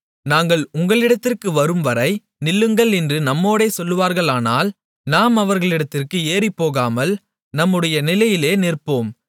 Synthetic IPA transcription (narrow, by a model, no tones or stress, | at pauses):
naːŋɡɐɭʊŋɡɐɭɪɽɐt̪ːɪrkɯʋɐɾɯmʋɐɾɐɪ | nɪlːɯŋɡɐɭɛndrɯnɐmːoːɽeːsɔlːɯʋaːɾɣɐɭaːnaːl | naːmɐʋɐɾɣɐɭɪɽɐt̪ːɪrkɯeːripːoːɣaːmɐl | nɐmːɯɽɐjɐnɪlɐjɪleːnɪrpoːm